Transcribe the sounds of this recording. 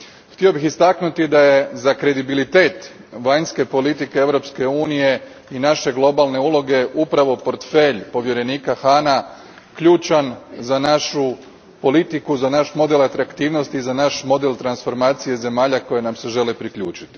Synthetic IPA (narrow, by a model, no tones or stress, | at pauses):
xt̪io̞bixist̪aknut̪id̪aje̞zakɾe̞d̪ibilit̪e̞ːt̪ | ʋaɲske̞po̞lit̪ikeeʋɾo̞pske̞uːnije̞ | inaʃe̞ɡlˠo̞balˠne̞ulˠo̞ɡe̞ʔupɾaʋo̞po̞ɾt̪fe̞ʎpo̞ʋje̞ɾe̞niːkaxaːna | kʎuːt͡ʃanzanaʃu | po̞lit̪ikuzanaʃmo̞d̪e̞lat̪ɾakt̪iːʋno̞st̪izanaʃmo̞d̪e̞lt̪ɾansfo̞ɾmaːt̪sije̞ze̞maːʎako̞jenamse̞ʒe̞lipɾikʎuːt͡ʃi̥t̪i̥